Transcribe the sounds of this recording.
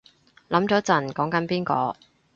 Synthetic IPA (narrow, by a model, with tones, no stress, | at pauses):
lɐ˨˥mt͡sɔː˨˥t͡sɐ˨˩nkɔː˨˥ŋkɐ˨˥npiː˥nkɔ̰ː˧